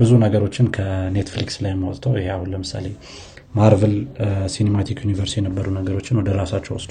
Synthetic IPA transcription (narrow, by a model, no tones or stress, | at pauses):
bɨzunəɡəɾo̞t͡ʃːɪnkʰəne̞t̪flikslajɛmːawɔt̪ʼt̪ʰəwjɪheahunləmɨsa̰le̞ | maɾvəlsinemat̪ʰikjunivəɾst̪ijɛnəbːəɾunəɡəɾo̞t͡ʃːɪnwɔd̪əɾasat͡ʃːɛwɔsd̪